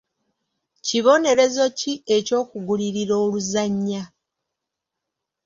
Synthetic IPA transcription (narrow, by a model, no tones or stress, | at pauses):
ciβo̞ne̞ɾe̞zo̞cie̞co̞ːkuɡuliɾiɾo̞ːluzaɲːa